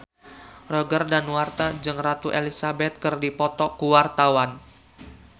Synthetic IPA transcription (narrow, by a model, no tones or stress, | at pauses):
rɔɡərdanwart̪ad͡ʒɨŋrat̪uʔelisabɛt̪̚kɨrdipɔt̪ɔkuwart̪awan